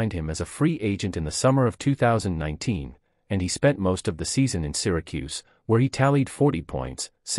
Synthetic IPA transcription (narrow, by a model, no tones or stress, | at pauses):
ɪ̃nd̚ɨ̃mɨzəfɹiʔeɪd͡ʒɨ̃ntɨ̃nðɨsʌmə˞ʌv̥tʰʉθaʊzɨ̃n̩nã̰ɪ̃ntʰĩn | ɨ̃nispɛ̃nmoʊstʌvðɨsizɨ̃nɨ̃nsɪɹɨkʰʉ̰z̥ | wə˞itʰælˠid̥fɔɹɾipʰɔ̰̃ɪ̃nts